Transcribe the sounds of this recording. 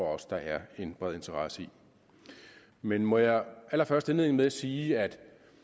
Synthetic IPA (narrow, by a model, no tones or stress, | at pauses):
ɒɒ̽sd̥ɑ̈ʔæɐe̝nb̥ʁɛð̞̰ˠe̝nt͡sʰəʁɑ̈səi | menmɒ̽jɑ̈ʔæl̰ɐfɶɐsd̥enleð̰ˠn̩meæsiːæd̥